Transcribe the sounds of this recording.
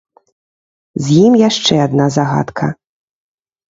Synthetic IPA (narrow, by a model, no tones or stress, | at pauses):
zʲjimjaʂt͡ʂɛad̪nazaɣa̰t̪kʰɐ̰